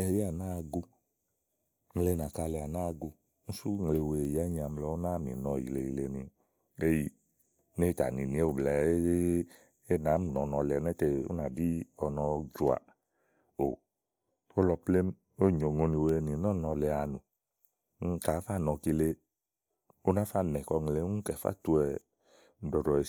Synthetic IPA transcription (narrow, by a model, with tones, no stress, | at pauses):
ɛ˧ji˦a˨na˦˧ɡu˧ | m̩˧le˧na˨ka˧lɛ˧˨a˨na˦˧ɡu˧ | n̩˦su˦ŋ˨le˧we˨ja˦ɲ˧a˧m̩˧lɔ˧˦na˦mḭ˨nɔ˧˨jḭ˨le˧˨ji˧le˧ni˧ | e˦ji˧˨ | ne˦i˦˧ta̰˨nḭ˨ni˨˧e˦u˨bla˨˦ | e˦na˨˦m˨nɔ˨˧nɔ˧lɛ˨˧nɛ˦te˧o̰˦na˨di˦ɔ˧nɔ˧d͡ʒu˨a̰˨ | o̰˨ | o˦lɔ˧ple˦m˦ | o˦˨ɲo˨ŋo˧ni˧we˧ni˨nɔ˦nɔ˧lɛ˧a˧˨nũ˨˦ | ŋ̩˦ka˨˦fa˦˨nɔ˧ki˧le˧ | o˦na˦fa˦˨nɛ˨kɔ˧ŋ˨le˨˦kɛ˨fa̰˦tu˧ɛ˧˨˦ | dɔ˨dɔ˨e˧